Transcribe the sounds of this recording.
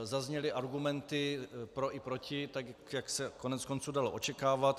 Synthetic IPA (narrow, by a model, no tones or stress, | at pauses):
zazɲɛlɪʔaɾɡumɛnt̪ɪpɾo̞ʔɪpɾocʰɪt̪aɡjjaksɛkonɛt̪t͡sko̞nt͡suːdaloʔot͡ʃɛkaːvat̪